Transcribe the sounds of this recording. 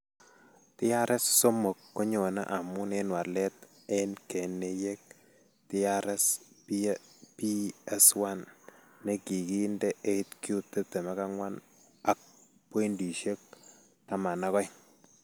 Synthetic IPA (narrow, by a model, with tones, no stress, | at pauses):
tɪ˦a˦ɾʔɛ˦sso˦mo˨kːɔ˦ɲo˨na̰˦ʔa˨mʊ˦nɛnwa˨ɾlɛ˦t | ɛ˦nkɛ˨ne˨je˦k̚ | tɪ˦aɾɛ˦s | pipi˦ɛ˦swa˦nː | ɛ˦ki˨ki˦ndɛ˦e˦tkju˦te˦tɛ˨ma˦ka˦ŋwa˦n | a˦k̚ | pɔ˦i˦ndi˨ʃe˦k̚ | ta˦ma˨na˦kɔ˦j